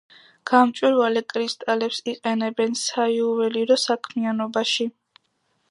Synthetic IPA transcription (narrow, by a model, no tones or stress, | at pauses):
ɡ̥amt͡ʃʼwiɾvalɛkʼɾist̪ʼalɛpsiqʼɛnɛbɛnsaiuvɛliɾɔsakʰmianɔbaʃi